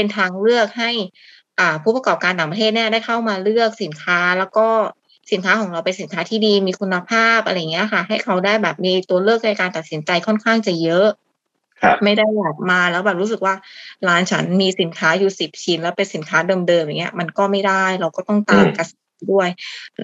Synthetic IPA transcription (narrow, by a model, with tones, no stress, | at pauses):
pe˧nt̪ʰaː˧ŋlɯ˥˩ək̚ɦa˥˩j | ʔaː˨˩pʰuː˥˩pa˧kɔː˨˩p̚kaː˧nt̪aː˨˩ŋpɾa˧t̪ʰeː˥˩t̪̚ni˥ɐdaː˥˩jkʰa˥˩wmaː˧lɯ˥˩ək̚si˨˩˦nkʰaː˦˥lɛː˦˥wkɔː˥˩ | si˨˩˦nkʰaː˦˥kʰɔː˨˩˦ŋɾa˧wpe˧nsi˩˦nkʰaː˦˥t̪ʰiː˥˩diː˧miː˧kʰu˧nːa˧pʰaː˥˩p̚ʔa˧ɾa˧jːŋːi˦˥ɐka˥˩ɦa˥˩jkʰa˦˥wdaː˥˩jbɛː˨˩p̚miː˧t̪u˧ɐlɯ˥˩ək̚na˧jkaː˧nt̪a˨˩t̪̚si˩˦nt͡ɕa˧jkʰɔ˥˩nkʰaː˥˩ŋt͡ɕa˨˩jɤ˦˥ʔ | ma˥˩jda˥˩jbɔː˨˩p̚maː˧lɛː˦˥wbɛː˨˩p̚ɾuː˦˥s̬ɯ˨˩k̚waː˥˩laː˧˦˥nt͡ɕʰa˦˥nmiː˧si˩˦nkʰaː˦˥juː˨˩si˨˩p̚t͡ɕʰi˧nlɛː˦˥wpe˧nsi˩˦nkʰaː˦˥dɤː˧mdɤː˧mja˨˩ŋːi˦ɐma˧nkɔː˥˩ma˥˩jda˥˩jɾa˧wkɔː˥˩t̪ɔ˥˩ŋt̪aː˧mka˧sa˧˨˩du˥˩əj